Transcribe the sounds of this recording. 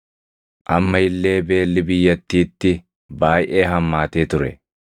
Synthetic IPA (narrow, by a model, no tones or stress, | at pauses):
ʔɐmːɐɪlːe̞ːbe̞ːlːɪbɪjːɐt̪ːiːt̪ːɪ | baːjʔe̞ːɦɐmːaːt̪e̞ːt̪ʊɾɛ̰